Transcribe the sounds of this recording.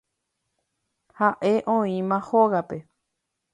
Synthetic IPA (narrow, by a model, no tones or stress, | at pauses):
haʔe̞ʔõĩmãhoɣape̞